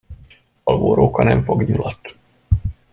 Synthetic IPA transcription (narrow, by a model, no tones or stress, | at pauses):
ɒlboːɾoːkɒnɛɱfo̞ɡɲulɒt̪